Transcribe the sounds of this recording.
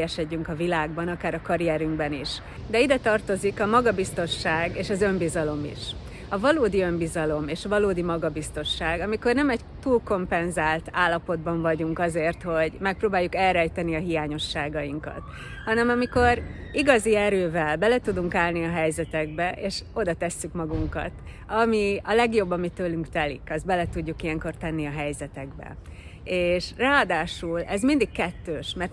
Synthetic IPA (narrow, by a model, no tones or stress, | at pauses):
jɛʃɛɟːyŋkɒvilaːɡbɒnɒkaːɾɒkɒɾiɛɾyŋɡbɛniʃ | d̪ɛid̪ɛt̪ɒrt̪o̞zikɒmɒɡɒbist̪o̞ʃaːɡeːʃɒzø̞mbizɒlo̞mḭʃ | ɒvɒloːd̪iø̞mbizɒlo̞meːʃɒvɒloːd̪imɒɡɒbist̪o̞ʃːaːɡɒmiko̞rnɛmɛɟ | t̪uːlko̞mpɛnzaːlt̪aːlːɒpo̞d̪̚bɒɱvɒɟuŋkɒzeːrt̪ho̞ɟmɛk̚proːbaːjːukɛlɾɛjt̪ɛniɒɦijaːɲo̞ʃːaːɡɒjiŋkɒ̰t̪ | hɒnɛmɒmiko̞riɡɒziɛɾøːvɛlbɛlɛt̪ud̪uŋkaːlniɒɦɛjzɛt̪ɛɡ̚bɛʔeːʃo̞d̪ɒt̪ɛsːykmɒɡuŋkɒ̰t̪ | ɒmiɒlɛɡjo̞bːɒmit̪øːlyŋkt̪ɛlḭkɒzd̪bɛlɛt̪uɟːukijɛŋko̞rt̪ɛnːiɒɦɛjzɛt̪ɛɡbɛ̰ | eːʃraːɒd̪aːʃulɛzmind̪ikkɛt̪ːøːʃmɛrt̪